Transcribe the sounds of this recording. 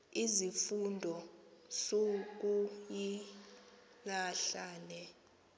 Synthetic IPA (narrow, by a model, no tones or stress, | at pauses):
izifundʱɔsok̬uji | laɬaːnɛ